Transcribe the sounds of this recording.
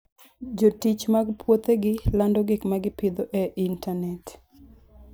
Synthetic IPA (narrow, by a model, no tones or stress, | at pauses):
d͡ʒotit͡ʃmaɡpʰwot̪eɡɪlandɔɡɪkmaɡɪpɪd̪oʔeʔintanɛt